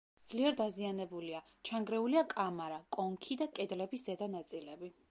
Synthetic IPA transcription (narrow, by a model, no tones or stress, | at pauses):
d̪z̥liɛɾd̪azianɛbulia | t͡ʃʰaŋɡɾɛuliakʼamaɾakʼɔŋkʰid̪akʼɛd̪lɛbisz̥ɛd̪anat̪sʼilɛbi